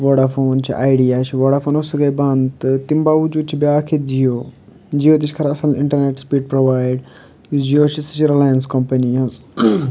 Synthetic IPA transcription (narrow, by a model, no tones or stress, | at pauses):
ʋoːɽafoːnt͡ʃʰḭʔaːjɖijaːt͡ʃʰiʋoːɽafoːnosɐɡɐjbɐnd̪t̪t̪imbaːʋud͡ʒuːd̪̚t͡ʃʰibʲaːkʰet̪d͡ʒijoː | d͡ʒijoːt̪̬it͡ʃʰkʰɐɾɐsɐlɪ̰̃ɳʈɐɾneʈspiːɖ̚pɾoʋaːɪɖ | d͡ʒijoːt͡ʃʰisit͡ʃiɾɐlaːjənskɐmpɐniɐz